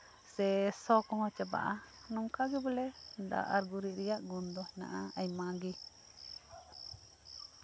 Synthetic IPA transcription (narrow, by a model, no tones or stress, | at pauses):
sɛsɔkɔŋɔ̃t͡ʃəba̰ʔa | nɔŋkaɡɛbəlɛd̪a̰ʔaɾɡuɾiʔɾɛjaʔɡɔnd̪ɔhɛna̰ʔaajmaɡi